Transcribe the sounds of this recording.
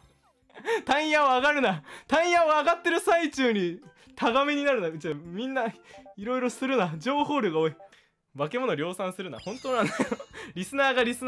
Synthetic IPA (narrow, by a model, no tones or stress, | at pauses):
t̪ãɰ̃jãoaɡaɾɯ̟nat̪ãɰ̃jãoaɡat̪ːe̞ɾɯ̟sait͡ɕɨːɲ̟i | t̪ʰaɡameɲ̟inaɾɯ̟nad͡ʑamʲĩnːaiɾo̞iɾo̞sɨɾɯ̟nad͡ʑo̞ːho̞ːɾʲɯɡaoːi | βake̞mo̞no̞ɾʲo̞ːsãɰ̃sɨɾɯ̟na̰hõ̞nt̪oːnanajoɾʲisɨnaːɡaɾʲisɨn